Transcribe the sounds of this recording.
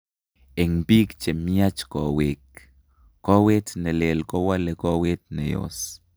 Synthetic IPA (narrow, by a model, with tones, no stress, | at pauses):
e˨ŋpi˦kt͡ʃe˨miat͡ʃkowikː | o˦we˦t̪ne˨le˨lko˦wa˦leko˦we˦t̪nḛ˨jo̰s